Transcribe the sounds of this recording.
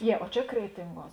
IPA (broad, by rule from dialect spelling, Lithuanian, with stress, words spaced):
ˈjiɛ oː ˈt͡ʃʲɛ ˈkrʲæːtʲɪŋˌɡuɔs